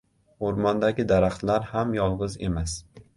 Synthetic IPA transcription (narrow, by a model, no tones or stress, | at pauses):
oɾmɒnd̪aɡʲɪd̪aɾaχt̪laɾhamjɒlˠʁɨze̞̰mas